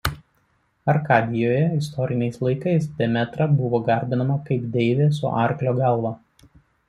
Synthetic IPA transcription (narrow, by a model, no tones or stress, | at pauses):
ɐɾkɑːd̪ʲɪjoːjɛɪst̪ɔɾʲɪnʲɛɪslˠɐɪkɐɪsd̪ʲɛmʲɛt̪ɾɐbʊʋoːɡɐˑɾʲb̪ʲɪnɐmɐkɐɪpd̪ʲɛɪʋʲeːsʊ̰ʔɑ̰ˑɾʲklʲoːɡɐlˠʋɐ